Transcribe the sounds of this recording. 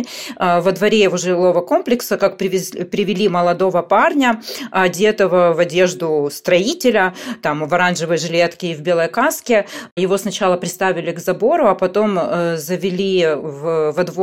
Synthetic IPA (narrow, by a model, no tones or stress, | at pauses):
vɐd̪vɐɾʲejɪvoʐɨɪlˠo̞vəko̞mplʲɪksəkakpʲɪpʲɾʲɪvʲɪlʲiməlˠɐd̪o̞vəparnʲəadʲe̞t̪əvəvɐdʲe̞ʐd̪ʊst̪ɾɐitʲɪlʲət̪amvɐɾanʐɨvəjʐɨlʲe̞t̪kʲɪːvbʲe̞lˠəjkaskʲɪjɪvo̞snɐt͡ɕalˠəpɾʲɪst̪avʲɪlʲɪɡzɐbo̞ɾʊɐpɐt̪o̞mzəvʲɪlʲivvɐd̪v